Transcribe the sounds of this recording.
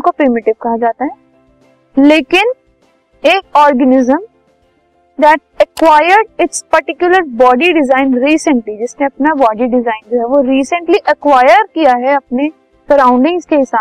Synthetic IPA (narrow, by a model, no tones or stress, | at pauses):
kopɾɪmɪʈɪʋkɐɦad͡ʒaːt̪aɦɛː | leːkɪn | eːkɔːɾɡənɪzə̃m | d̪ɛʈ̚ɐkwaːjəɾɖɪʈspɐɾʈɪkjʊləɾbɔːɖiɖɪzaːɪnɾiːsə̃ɳʈlid͡ʒɪsnẽɐpnabɔːɖiɖɪzaːɪ̃nd͡ʒoɦɛʋoɾiːsə̃ɳʈliʔɐkʋaːjəɾkijaɦɛɐpne | sɐɾãːʊ̃ɳɖɪ̃ŋɡzkeɪsaː